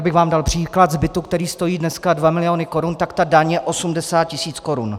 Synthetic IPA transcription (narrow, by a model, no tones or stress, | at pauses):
bɪɣvaːmdalpr̝̥iːklat̪zbɪt̪ukt̪ɛɾiːst̪o̞jiːdnɛskadvamɪlɪjo̞nɪko̞ɾunt̪akt̪adaɲjɛʔo̞sumdɛsaːt̪̚cɪsiːt͡sko̞ɾun